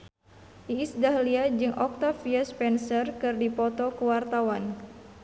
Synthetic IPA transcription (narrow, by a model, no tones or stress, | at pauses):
ʔiːsdaɦliad͡ʒɨŋʔɔk̚t̪afiaspɛnsərkɨrdipɔt̪ɔkəwart̪awan